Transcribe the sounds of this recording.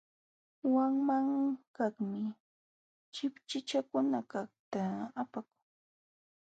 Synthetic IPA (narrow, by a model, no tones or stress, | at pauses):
waŋmaŋkaχmɪ | t͡ʃɪpt͡ʃɪt͡ʃakʊnakaχt̪aːpakʊŋ